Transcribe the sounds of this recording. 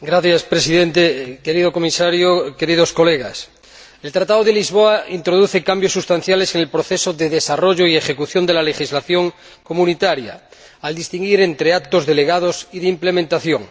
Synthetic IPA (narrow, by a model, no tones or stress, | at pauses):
ɡɾaθjaspɾe̞siðent̪eke̞ɾiðoko̞misaɾjoke̞ɾið̞o̞sko̞leɣas | e̞lt̪ɾat̪aðoðelizβoaint̪ɾo̞ð̞uθe̞kambjo̞sːust̪an̟θjale̞seŋelpɾoθe̞soðeðesaro̞ʝo̞ie̞χe̞kuθjo̞nd̪elale̞xizlaθjo̞ŋ | ko̞mũnit̪aɾja̰ː | ld̪ist̪iŋɡiɾent̪ɾe̞ak̚t̪o̞zðe̞le̞ɣað̞o̞siðeimple̞mẽnt̪aθjo̞ŋ